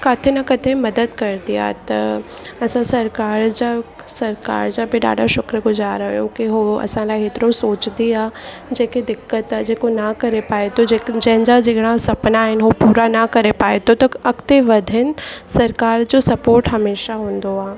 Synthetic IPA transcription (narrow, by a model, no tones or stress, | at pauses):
kaːt̪ʰenɐkɐt̪ʰemɐd̪əd̪kɐɾd̪ija̰ːt̪ɐ | ɐsãsɐɾkaːɾd͡ʑa | sɐɾka̰ːɾd͡ʑãbʱɪɖa̰ːɖaʃʊkɾəɡʊzaːɾɐɦjõ̰kiɦoɐ̰sãlaːɪɦeːt̪ɾõsoːt͡ʃd̪iaː | d͡ʑeːkid̪ɪkːət̪ad͡ʑeːkonakɐɾepaːet̪oed͡ʒɛ̃ɦɲd͡ʒad͡ʒeɡɽ̃ãsɐpnaːɦɪnɦopuːɾanɐkɐɾepaːet̪ot̪ɐɐkt̪eʋɐd̪ʱɪn̆sɐɾkaːɾd͡ʑosɐpoːɾʈɦɐmeːʃaɦũːnd̪oaː